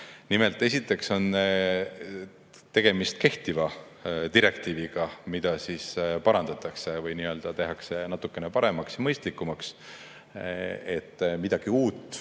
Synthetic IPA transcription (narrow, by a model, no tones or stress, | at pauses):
nime̞lt̪ˑːesit̪ːˑe̞kso̞n | t̪e̞ɡ̥e̞mist̪̚ke̞ht̪ivɑ | t̪iɾe̞k̚t̪iːviɡ̥ɑmid̪̥ɑsiːspɑɾɑnd̪̥ɑt̪ɑkse̞vɯjniøld̪̥ɑt̪e̞ɦɑkse̞nɑt̪ːˑukːˑe̞nepɑɾe̞mɑksjɑmɤjst̪likːˑumɑks | e̞t̪ːmid̪̥ɑɡ̥iuːt̪ːˑ